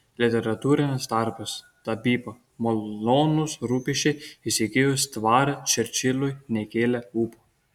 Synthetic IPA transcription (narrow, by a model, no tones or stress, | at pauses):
lʲɪt̪ʲɛɾɐt̪uːɾʲɪnʲɪsd̪ɑɾpɐs | t̪ɐbʲiːpo | molloːnusɾuːpʲiʃʲt͡ʃʲɛɪsʲikʲeːjʊst̪ʋɑːɾɐt͡ʃʲɛɾʲt͡ʃʲɪlʲˠʊjnʲɛkʲeːlʲɛuːpo